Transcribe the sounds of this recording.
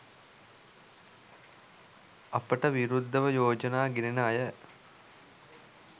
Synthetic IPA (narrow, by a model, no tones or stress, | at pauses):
ɐpəʈəʋiɾud̪ʱːəʋəjoːd͡ʒənaːɡiɾinəɐjə